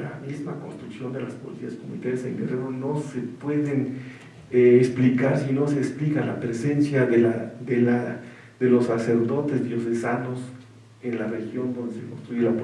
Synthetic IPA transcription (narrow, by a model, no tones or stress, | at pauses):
la̰mizmako̞nst̪ɾuksjo̞nd̪elaspolisiaskomunit̪alesḛŋɡereɾono̞sepwe̞ðen | eːksplikaɾsino̞seːksplikalapɾese̞nsjaðelaðela | ðelo̞sːase̞ɾðo̞t̪ezd̪jo̞sesano̞s | enlarexjo̞nd̪o̞nd̪esekonst̪ɾujelap